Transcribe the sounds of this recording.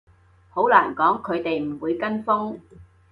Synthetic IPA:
ho˨˥wlaː˨˩nkɔː˨˥ŋkʰɵ˨˧ɥt̪e˨jm̩˨˩wuː˨˧jkɐ˥nfʊ˥ŋ

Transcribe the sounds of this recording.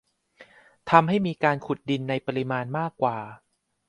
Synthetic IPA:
t̪ʰa˧mɦa˥˩jmiː˧kaː˧nkʰu˨˩t̪̚di˧nːa˧jpa˧ɾi˦˧˥maː˧nmaː˥˩kːwaː˨˩

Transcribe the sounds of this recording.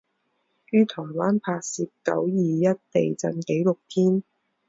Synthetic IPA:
jyː˥t̪ʰɔː˨˩waː˥npʰaː˧k̚siː˧p̚kɐ̰˨˥wjiː˨jɐ˥t̚t̪e˨jt͡sɐ˧nke˨˥jlʊ˨k̚t̪ʰiː˥n

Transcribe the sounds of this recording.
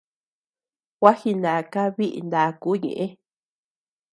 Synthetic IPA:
ɣwa˦hi˧nã˨˧ka˦βi˦ʔḭ˧nd̪a˨˧ku˨˦ɲḛ̃˨ʔẽ˦

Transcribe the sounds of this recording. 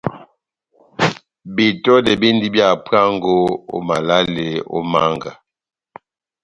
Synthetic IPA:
bi˨tɔ˦de˨bi˦ndi˦bja˦˨pa˦ŋɡo˦o̰˦ma˨la˦le˨o̰˦ma˦ŋɡa˨

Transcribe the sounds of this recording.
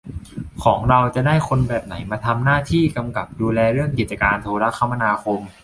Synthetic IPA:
kʰɔː˩˦ŋɾa˧wt͡ɕa˨˩daː˥˩jkʰo˧nbɛː˨˩p̚na˩˦jmaː˧t̪ʰa˧mnaː˥˩t̪ʰiː˥˩ka˧mka˨˩p̚duː˧lɛː˧ɾɯ˥˩əŋk̬i˨˩t̪̚t͡ɕa˧kaː˧nt̪ʰoː˧ɾa˦˥kʰːa˧ma˧naː˧kʰo˧m

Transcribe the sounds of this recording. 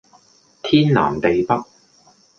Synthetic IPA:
t̪ʰiː˥nla̰ː˨˩nt̪e˨jpɐ˥t̚

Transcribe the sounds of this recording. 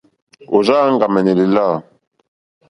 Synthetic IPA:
o˨ʒaː˦ŋɡa˨mɛ˨ni˨li˨laː˦

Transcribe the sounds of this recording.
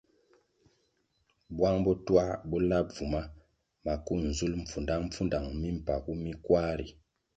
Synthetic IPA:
bwa˦ŋbɔ˦twa˦bɔ˦la˦p̚vu˨ma˦ | ma˨ku˦˨n̩˨zu˦lm̩˨p͡fu˨nda˦m̩˦fu˦nda˨ŋmi˦m̩˨pa˨ku˦mi˦kwa˦ɾḭ˨

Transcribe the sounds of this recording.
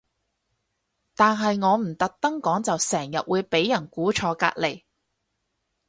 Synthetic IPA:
t̪aː˨nɦɐ˨jŋɔː˨˧m̩˨˩t̪ɐ˨k̚t̪ɐ˥ŋkɔː˨˥ŋt͡sɐ˨wsɛː˨˩ŋjɐ̰˨t̚wuː˨˧jpe˨˥jːɐ˨˩nkuː˨˥t͡ʃʰɔː˨˧ka̰ː˧k̚le˨˩j

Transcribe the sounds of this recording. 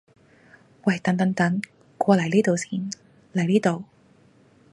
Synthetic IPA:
wɐ˨˩jt̪ɐ˨˥nt̪ɐ˨˧˥ŋt̪ɐ˨˥ŋ | kʷɔː˧lɐ˨˩jliː˥t̪o˨wsiː˧˥˩n | lɐ˨˩jliː˥t̪o˨˧w

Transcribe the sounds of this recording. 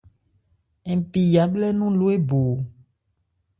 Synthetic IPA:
e˨pi˨ja˨blɛ˦nũ˦lo˦e˦bo˨

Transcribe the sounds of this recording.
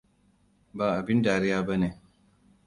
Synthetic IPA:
baː˨ʔa˨bɪ˦ndaː˨ɾɪ˦jaː˦ba˦neː˨

